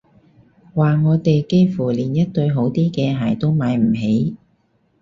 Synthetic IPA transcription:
waː˨˩ŋɔː˨˧t̪e˨jke˥jfuː˨˩liː˨˩njɐ˥t̚t̪ɵ˧ɥɦo˨˧˥wt̪iː˥kɛː˧ɦɐ˨˩jt̪o˥wmaː˨˧jm̩˨˩ɦe˨˥j

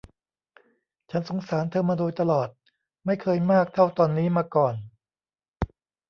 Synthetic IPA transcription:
t͡ɕʰa˦˥nso˩˦ŋsaː˩˦nt̪ʰɤː˧mːaː˧doː˧jt̪a˧lɔː˨˩t̪̚ | ma˥˩jkʰɤː˧jmaː˥˩k̚t̪ʰa˥˩wt̪ɔː˧nːiː˦˥maː˧kɔː˨˩n

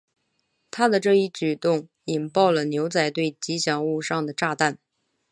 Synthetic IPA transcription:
t̪ʰa˥d̪ə˨ʈ͡ʂɤ˥˧i˥˩t͡ɕy˨˩t̪ʊ˥˩ŋ | i˨˩npɑ˥˩ʊlə˩njo˧˥ʊt͡sa˥˩ɪt̪we˥˩ɪt͡ɕi˧˥ɕjɑ˨˩ŋu˥˧ʂɑ˥˩ŋd̪ə˩ʈ͡ʂa˥˧t̪a˥˩n

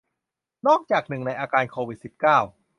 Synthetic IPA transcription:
nɔː˥˩k̚t͡ɕaː˨˩k̚nɯ˨˩ŋna˧jʔaː˧kaː˧nkʰoː˧wi˨˩t̪̚si˨˩p̚kaː˥˩w

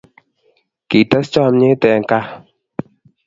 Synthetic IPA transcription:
ki˨tə˦st͡ʃɔ˦˨mɲe˦tɛ˨ŋ̩˨ka˦

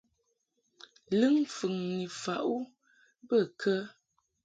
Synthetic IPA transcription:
lɨ˦ŋfʉ˨ŋni˨fa˨ʔu˦ | bə˦˨kʰə˦

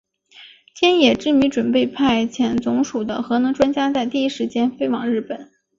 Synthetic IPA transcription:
t̪ʰjɛ˥njɛ˨˩ʈ͡ʂɻ̩˥˩my˧˥ʈ͡ʂwə˨˩npe˥˧ɪpʰa˥˩ɪt͡ɕʰjɛ˧˥nt͡sʊ˧˥ŋʂu˨˩d̪ə˦xɤ˧˥nɤ˧˥ŋʈ͡ʂwa˥nt͡ɕja˥t͡sa˥˧ɪt̪i˥˩i˥ʂɻ̩˧˥t͡ɕjɛ˥nfe˥ɪwɑ˨˩˦ŋɻɻ̩˥˩pə˨˩˦

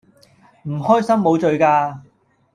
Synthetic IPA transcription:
m̩˨˩hɔː˥jsɐ˥mːo˨˧wt͡ʃɵ˨ɥkaː˧

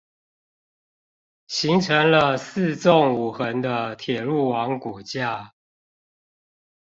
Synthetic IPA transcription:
ɕi˨˦ŋʈ͡ʂʰə˨˦ŋlə˧s̩˥˧t͡sɔ˥˨ŋu˨˩xə˨˦nd̪ə˧t̪ʰjɛ˨˩lu˥˩wɑ˨˦ŋku˨˩t͡ɕja˥˨

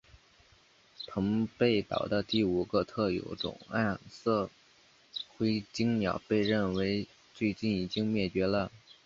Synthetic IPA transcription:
p̪ʰɤ˧˥ŋpe˥˩ɪt̪ɑ̰˨˩ʊd̪ə˦t̪i˥˩u˨˩ɡə˧t̪ʰɤ˥˩jo̰˧˥ʊʈ͡ʂʊ̰˨˩ŋa˥˩nsɤ˥˩ | xwe˥ɪt͡ɕi˥ŋnjɑ˨˩ʊpe˥˧ɪɻə˥˩nwe˧˥ɪ | t͡swe˥˧ɪt͡ɕi˥˩ni˨˩t͡ɕi˥ŋmjɛ˥˩t͡ɕɥɛ˧˥lə˧

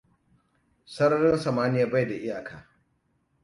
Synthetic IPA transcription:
sɐ˦ɾɐ˦ɽɪ˦nsɐ˨maː˦nɪ˦jaː˦ba˦˨jda˨ʔɪ˦jaː˨kʰaː˨

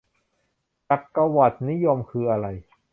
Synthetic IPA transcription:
t͡ɕa˨˩p̚kːa˧wa˨˩t̪̚ni˦˥jo˧mkʰɯː˧ʔa˧ɾa˧j

